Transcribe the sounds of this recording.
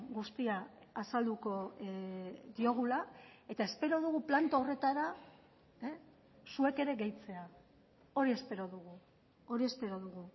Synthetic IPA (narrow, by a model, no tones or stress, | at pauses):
ɡust̪iaː | sald̪uko̞ | d̪io̞ɣ̞ulae̞t̪ae̞spe̞ɾo̞ð̞uɣuplant̪oore̞t̪aɾa | sue̞ke̞ɾe̞ɣe̞jt͡se̞a | o̞ɾie̞spe̞ɾo̞ðuɣ̞u | o̞ɾie̞spe̞ɾo̞ðuɣu